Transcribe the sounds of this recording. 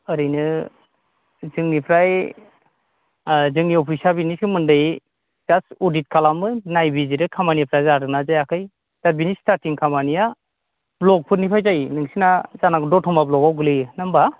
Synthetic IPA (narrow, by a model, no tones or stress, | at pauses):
ɯɾɯjnɯ | zɯŋnipʰɾaj | zɯŋniɔpʰisabiniskɯmɯndɯj | zasɔdit̚kʰalamɯnajbiziɾɯkʰamaniapʰɾajzaɾɯnazajakʰɯj | z̥abinistaɾtiŋkʰamanija | blɔk̚pʰɯɾnipʰajzajnɯŋsinazanakdɔtʰɔmablɔkawɡɯlɯjnamba